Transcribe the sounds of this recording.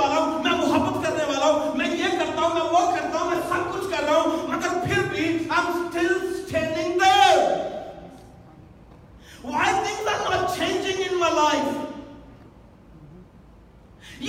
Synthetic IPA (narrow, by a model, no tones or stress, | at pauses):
aːlaɦũmɛ̃mʊɦəbːət̪kɐɾneʋaːlaɦũmɛ̃jekɐɾt̪aːɦũmɛ̃ʋokɐɾt̪aːɦũmɛ̃sɐb̚kʊt͡ʃʰkɐɾɾaɦũmɐɡəɾpʰɪɾbisãmsʈɪlsʈʰẽːnɪ̃ŋd̪e | aɪt̪ɪ̃ŋɡd̪ãnʋət͡ʃʰẽːnd͡ʒɪ̃ŋɡɪ̃nmalaːif | j